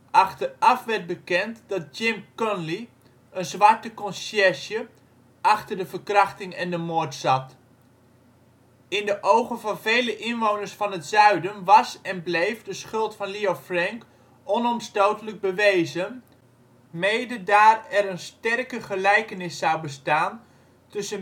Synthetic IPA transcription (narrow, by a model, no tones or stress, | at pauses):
ʔɑχtərɑfʋɛɹt̚bəkɛntdɑt̚d͡ʒɪmkɔnli | ʔənzʋɑɹtəkɔnsjɛʃjə | ɑχtərdəvərkrɑχtɪŋɛndəmoːɹtsɑt | ɪndəʔowχənvɑnvejləʔɪnʋownəɹsfɑnətzœɥdənʋɑsɛnblejfdəsχɵlˠtfɑnliofrɛŋk | ɔnɔmstowtələɡ̚bəʋejzən | mejdədaːrɛɾənstɛrkəχəlɛjkənɪsːɑwbəstaːn | tɵsə